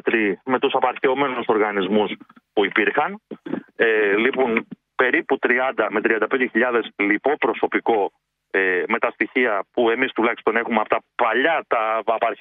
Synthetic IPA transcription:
t̪ɾime̞t̪usɐpɐɾçeo̞me̞nuso̞ɾɣɐnizmuspuipiɾxɐn | lipun | pe̞ɾiput̪ɾiɐnd̪ɐme̞t̪ɾiɐnd̪ɐpend̪eiʎɐðe̞slipo̞pɾo̞so̞piko̞ | eme̞t̪ɐst̪içiɐpue̞mist̪ulɐçi̥st̪o̞ne̞xumeɐpot̪ɐpɐʎɐt̪ɐpɐɾ

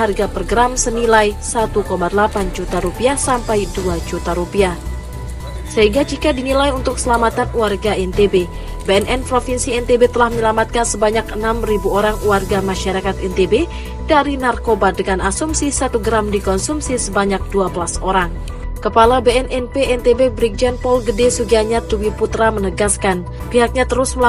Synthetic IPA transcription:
arɡaproɡəɾamsənilajsat̪ukomadəlapand͡ʒut̪aɾupiahsampajduad͡ʒut̪aɾupia | səɦiŋɡad͡ʒikadinilajunt̪ʊk̚səlamat̪anwarɡaɛnt̪ebe | beɛnʔɛnpɾofinsiɛnt̪ebet̪əlahməɲəlamat̪̚kansəbaɲakənamribuoɾaŋwarɡamaʃaɾakat̪ɛnt̪ebe | daɾinarkobadəŋanasumsisat̪uɡɾamdikɔnsumsisəbaɲak̚duabəlasoɾaŋ | kəpalabeɛnʔɛnpeɛnt̪ebebɾik̚d͡ʒanpɔlɡədesuɡiaɲat̪uwiput̪ɾamənəɡaskan | piɦak̚ɲat̪əɾʊsməl

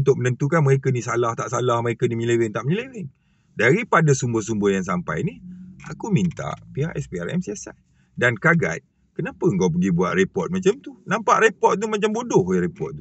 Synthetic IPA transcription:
unt̪ʊk̚mənənt̪ukanməɾekənisalaht̪aʔsalahməɾekəniməɲilewɪnt̪aʔmɲəlewɪn | daɾipadasumbəhs̬umbəjaŋs̬ampa̰jnia̰kumint̪a̰ʔpiɦaʔɛspia̰rɛ̰msiasan | dankaɡa̰t̪̚ | kənapəŋɡawp̬əɡibua̰ʔ̪repɔt̪̚mat͡ʃamt̪unãmpa̰ʔrepɔt̪̚t̪umat͡ʃambodʊheɾepɔ̰t̪̚t̪u

